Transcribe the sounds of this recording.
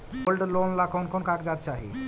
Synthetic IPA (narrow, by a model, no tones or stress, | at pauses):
wolɖlonlakʰonkʰonkakd͡zat̪̚t͡ʃaɦḭ